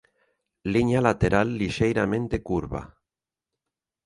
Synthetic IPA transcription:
liɲalat̪eɾalːiʃejɾamẽnt̪ekuɾβa̰

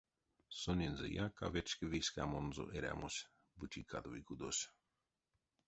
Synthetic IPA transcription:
sonʲinzɨ̰jaka̰vet͡ʃkəvisʲkamonzo̰ʔeɾʲa̰mosʲ | bɨt͡ʃikʰad̪vikud̪osʲ

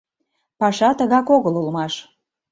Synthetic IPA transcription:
pɑʃɑt̪əɣɑkoɣəlulmɑʃ

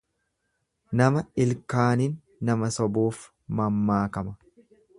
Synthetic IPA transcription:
nɐmɐɪlkaːninː | ɐmɐsɔbuːf | mɐmːaːkɐmɐ

